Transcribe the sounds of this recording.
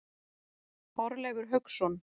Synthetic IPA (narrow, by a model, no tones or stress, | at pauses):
ɔɾlɛːɣʏɾ̥ɦœɥksɔn